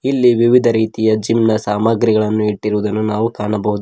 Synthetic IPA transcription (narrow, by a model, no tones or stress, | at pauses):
ilːiʋiʋid̪ʱɐɾiːt̪ijɐd͡ʒimnɐsaːmɐɡɾiɡɐɭɐnːuiʈːiɾuʋud̪ɐnːunaːʋukaːɳɐbɐɦud̪u